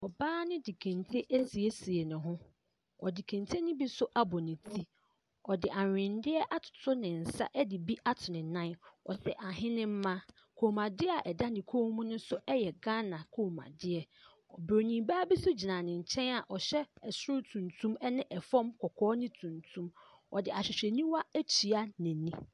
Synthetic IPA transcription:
ɔ˨baː˦nɪ̃˦di˨kʰæ̃˨ntʰe˦ʔæ˦si˨e˦si˨e˨nʊ̃˨ɦʊ̃˦ | ɔ̰˨di˨kʰæ̃˨ntʰe˦nɪ̃˦bi˦sʊ˦ʔa˦bɔ˨nɪ̃˨tʰi˦ | ɔ˨dɪ˨ʔa˨ɪ̃˨ndɪ˦ɛ˦ʔa˦tʰʊ̥˨tʰʊ˦nɪ̃˨n̩˨sa̰˦ʔɛ˦dɪ˨bi˦ʔa˦tʰʊ˨nɪ̃˨nã˦nɔ̰˨sɛ˨ʔa˨ɦɪ̃˦nɪ̃˦m̩˦mã˦ | kʰo˨mã˨dɪ˦a˨ʔɛ˨da˦dɪ̃˨kʰo˦mũ˦nʊ̃˦sʊ˦ɛ˦jɛ˨ɡã˦nã˨kʰo˨mã̰˨dɪ˦ɛ˨ | ɔ˨bɾo˨nĩ˨baː˦bi˦sʊ˦d͡ʑi˨nã˨nɪ̃˨ɲ̩˨t͡ɕʰɛ̃˦na˨ʔɔ˨ɕɛ˦ɛ˨sʊ˦ʊ˦tʰũ˨ntʰũ˦mɛ˦nɪ̃˦ʔɛ˨fɔ̃˦mkʰɔ˨kʰɔː˦nɪ̃˦tʰũ˨ntʰũ˦m | ɔ˨dɪ˨a˨ɕᶣɪ˨ɕᶣɛ˨nĩ˦wa˦æ˦t͡ɕʰi˨a˦nɪ̃˨nĩ˦

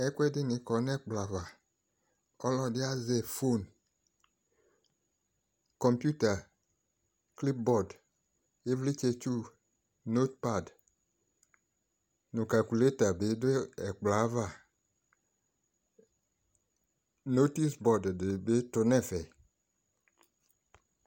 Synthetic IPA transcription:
ɛ˦kʷɛ˦dɪ˦nɪ̃˨kɔ˨nɛ˦k͡pla˨˦va˨ | ɔ˦lɔ˦dɪ˦a˦zɛ˨fo˦˨n | kɔ˨mpju˦ta˨ | kli˦p̚bɔ˨d | e˦vli˦t͡ʃe˦t͡ʃu˦˨ | no˦t̚pa˦˨d | nõ˨ka˨lku˨le˦ta˨be˦dɪ˦ɛ˨k͡pla˨˦va˦˨ | no˦ti˦sbɔ˦ddɪ˨be˦tʊ˨nɛ̃˦fɛ˨

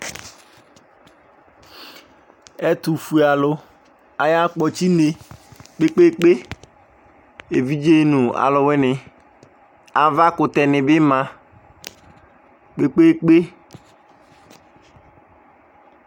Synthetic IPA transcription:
ɛ˦t̪u˨fu˨a˨lʊ˦ | a˨ja˦k͡pɔ˨t͡ʃi˦ne˨k͡pe˦k͡pe˦k͡pe˦ | e˨vi˦d͡ʒe˦nũ˨a̰˨lʊ˨we˦nɪ˨ | a˨va˦kʊ˨t̪ɛ˨nɪ̃˨bɪ˦mã˦ | k͡pe˦k͡pe˦k͡pe˦

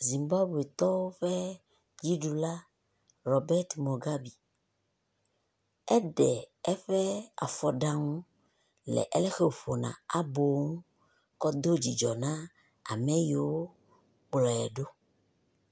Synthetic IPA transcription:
zi˨mba˦bu˨e˨t̪ɔ˦wo˦ɸɛ˦ | d͡ʑi˦ɖu˨la˦ | ɾɔ˨bɛ˦ɾt̪mo˨ɡa˦bi˨ | ɛ˦ɖɛ˨ɛ˦ɸɛ˦a̰˨fɔ˦ɖã˦ŋũ˦ | lɛ̰˨ʔɛ˦lɛ˦xe˦o˨ɸo˨nã̰˨a˦bo˨˦ŋũ˦ | kɔ˦d̪o˦d͡ʑi˨d͡ʒɔ˨nã˦ | a̰˨mɛ̃˦ji˨wo˦ | k͡plɔ˨jɛ˨ɖo˦

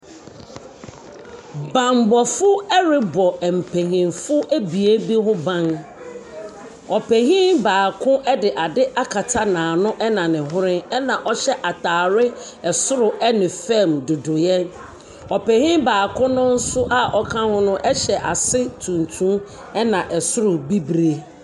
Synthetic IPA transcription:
bã˨mbɔ˨fʊ˦ɛ˦ɾɪ˦bɔ˨ɛ˨m̩˨pʰe˨ɦĩ˨nfʊ˦ʔæ˦bi˨e˦bi˦ɦʊ̃˦bã˦n | ɔ˨pʰɛ˨hĩ˦nbaː˨kʰʊ̃˦ʔɛ˦dɪ˨ʔa˨dɪ˦ʔa˦kʰa˨tʰa˦nãː˨nʊ̃˦ʔɛ˦nã˨nɪ̃˨ɦʊ˦ɾɪ̃˦nɛ˦nã˨ʔɔ˦ɕɛ˦ʔa˨tʰaː˨ɾɪ˦ | ɛ˨sʊ˦ɾʊ˨ʔɛ˦nɪ̃˨fɛ̃˦mdʊ˨dʊ˨jɛ˦n | ɔ˨pɛ˨hĩ˦baː˨kʰʊ̃˦nʊ̃˦n̩˦sʊ˦ʔa˦˨ʔɔ˨kʰã˦hʊ̃˦nʊ̃˦ʔɛ˦ɕɛ˨ʔa˨sɪ˦tʰũ˨ntʰũ˦ | ɛ˦nã˨ʔɛ˨sʊ˦ɾʊ˨bi˦bɾe˨

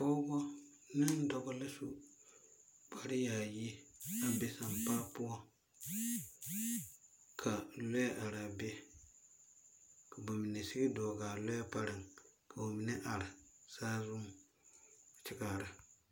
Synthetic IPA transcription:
po˦ɡɔ˦ | ni˦n˦do˨ɡɔ˦le˦su˨ | pa˨ɾi˦ja˨ji˦a˨be˦sa˦mpa˦pu˦o˦ | kʰa˨le˦ʔa˨ɾa˨be˦ | ka˨ba˨mi˨ne˨si˦ki˦do˨ɡa˨lo˦pa˨ɾi˨ŋkʰa˨wo˨mi˨ne˦ʔa˨ɾa˨sa˦zu˦m˨ | t͡ʃi˦ka˨ɾa˨

